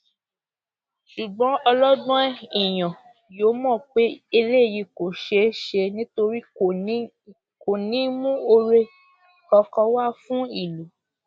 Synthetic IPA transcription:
ʃu˨ɡ͡bɔ̃˨˦ɔ˧lɔ˦dɔ̃˦ɛ˦i˨j̃ɔ̃˨ | joː˨˦mɔ̃˦˨k͡pe˦e˧le˦˨ji˧ko˨ʃe˧ʃe˧nĩ˦to˧ɾi˦ | ko˨nĩ˨˦mũ˦o˧ɾe˧ | kɔ˧kɔ˧wa˦˨fũ˦i˦˨lu˨˦

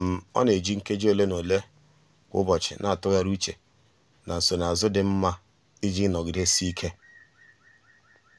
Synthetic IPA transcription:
m̩˨ɔ̰˦ne˨d͡ʒi˦ŋ̩˦ke˦d͡ʒi˦o˦˨le˦no˨le˦ | kʷʊ̰˦bɔ˨t͡ʃɪ̰˨nʔa˨a˨tʊ˦ɣa˦ɾu˦t͡ʃe˨ | na˨n̩˨so˨na˨zʊ˦dɪ˨m̩˦ma˦ | i˦d͡ʒi˦nɔ˨ɡɪ˨ɾe˦si˦i˦kʰe˦

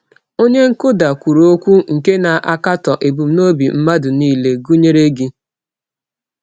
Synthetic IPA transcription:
o˦ɲe˦ŋ̩˦ko˦da˨kʷu˨ɾo˦kʷu˦ŋ̩˨ke˦na˨ʔa˦ka˦tɔ˨ʔe˨bu˨m̩˦no˦bi˨m̩˦ma˦dʊ˨niː˦le˨ɡu˦ɲe˦ɾe˦ɡɪ˦

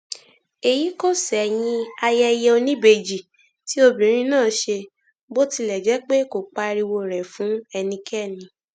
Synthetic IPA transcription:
e˨ji˨˦ko˦˨sɛ˨j̃ĩ˧a˧jɛ˧jɛ˧o˧nĩ˦be˧˨d͡ʒi˨ | ti˦o˧bĩ˨ɾ̃ĩ˦nãː˦˨ʃe˧ | bo˦ti˧lɛ˨d͡ʒɛ˨˦k͡pe˦ko˨k͡pa˧ɾi˧wo˧˨ɾɛ˨fũ˨˦ɛ˧nĩ˧kʰɛ˦˨nĩ˧

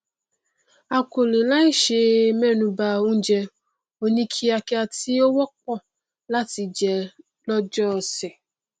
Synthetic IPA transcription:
a˨ko˨lĩ˨la˦i˦ʃe˧mɛ˦˨nũ˧ba˧o˦d͡ʒɛ˧ | o˧nĩ˧kʰi˦a˧kɛ˧a˧ti˦o˦wɔ˦k̚ɔ˦˨ | la˦ti˧d͡ʒɛ˨ | lɔ˦d͡ʒɔ˦˧˨sɛ˨

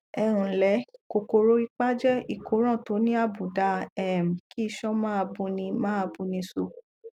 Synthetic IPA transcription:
ɛ˧ɾ̃ũ˨lɛ˨˦ko˨ko˧ɾo˨˦i˧k͡pa˦d͡ʒɛ˦i˨ko˨˦ɾ̃ã˦˨to˨˦nĩ˦a˦˨bũ˨da˧˦ɛ˦˨m̩˨ki˦i˧ʃɔ̃˦mãː˦a˧bũ˧nĩ˧mãː˦a˧bũ˧nĩ˧so˧

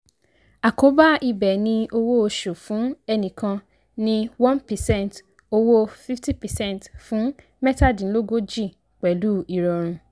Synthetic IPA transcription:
a˨ko˨˦ba˦ʔi˧bɛ˨nĩ˧o˧wo˦o˧ʃo˨fũ˨˦ɛ˧nĩ˨kã˧ | nĩ˧wɔ̃˦npɛ˨sɛ̃˦˨n˨t | o˧wo˦fi˦fti˦pɛ˨sɛ̃˦˨n˨tfũ˨˦ | mɛ˦ta˦˨dĩ˨˦lo˦ɡo˦d͡ʒi˦˨ | k͡pɛ˨˦lu˦i˨ɾɔ˨ɾ̃ũ˧

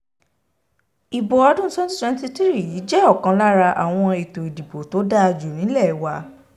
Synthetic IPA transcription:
i˨bɔ˨ɔ˧dũ˦sɔ̃˦n˦ɛ̃˧˦n˦ti˦ti˦ɾi˦˨ji˨˦d͡ʒɛ˦ɔ˦˨kã˧la˦ɾa˧ʔa̰˨w̃ɔ̃˧i˨to˨i˨di˨bo˨to˨˦da˦a˧d͡ʒu˨nĩ˨˦lɛ˦˨wa˧

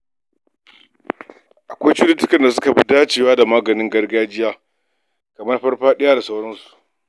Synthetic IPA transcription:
ʔa˨kʷa˦jt͡ʃu˦lɪ˦tʊ˦kɐ˨nda˨sʊ̥˦ka˨bi˦daː˦t͡ʃeː˨waː˦da˨maː˦ɡɐ˨nɪ˦ŋɡɐ˦rɡaː˦d͡ʒɪ˦jaː˦ | kɐ˨mɐ˦rɸɐ˦rɸaː˦ɗɪ˦jaː˦da˨sa˦wɽɐ˦nsu̥˨ʔ

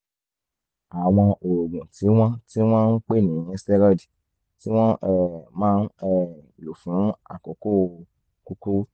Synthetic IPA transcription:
a˨w̃ɔ̃˧ʔo˨ɡũ˨ti˨˦w̃ɔ̃˦ti˦w̃ɔ̃˦n̩˦k͡pe˦˨nĩ˨˦ɛ˧stɛ˦ɾɔ˦di˨ | ti˦w̃ɔ̃˦ɛ˦˨mãː˦n̩˦ɛ˦˨ | lo˨fũ˨˦a̰˦˨ko˨ko˦˨˧ | ku˦ku˦

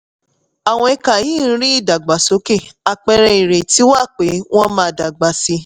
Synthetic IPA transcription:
a˨w̃ɔ̃˧ɛ˧ka˨jiː˦˨˦ɾĩ˦i˦˨da˨ɡ͡ba˨so˨˦ke˦˨a˧k͡pɛ˧ɾɛ˧i˨ɾe˨ti˨˦wa˦˨k͡pe˨˦w̃ɔ̃˦mãː˦˨da˨ɡ͡ba˨si˧

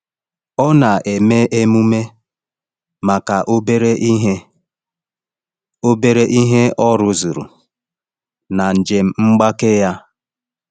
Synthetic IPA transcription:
ɔ˦na˨ʔe˨me˦e˦mu˦me˦ | ma˨ka˨ʔo˦be˦ɾe˦ʔi˦ɦe˦ | o˦be˦ɾe˦ʔi˦ɦe˦ɔ˦ɾʊ˨zu˨ɾṵ˨ | na˨n̩˨d͡ʒe˨m̩˦ŋ͡m̩˦ɡ͡ba˦ke˦ja˦

